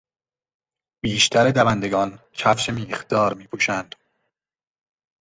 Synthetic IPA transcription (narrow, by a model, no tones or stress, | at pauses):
b̥iːʃt̪ʰæɾed̪ævænd̪eɡɒːn | t͡ʃʰæfʃemiːxd̪̥ɒːɾmiːpʰuːʃænd̪̥